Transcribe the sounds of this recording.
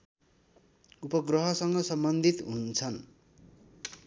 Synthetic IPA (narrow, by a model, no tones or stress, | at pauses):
upʌɡrʌɦʌsʌŋɡʌsʌmbʌnd̪ʱit̪ɦunt͡sʰʌn